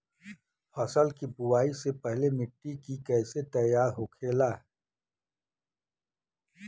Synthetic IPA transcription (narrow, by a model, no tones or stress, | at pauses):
fʰɔːsəlkibʊwaːisepɛɦlemɪʈːikikɛːset̪əjaːɾɦoːkʰeːlaː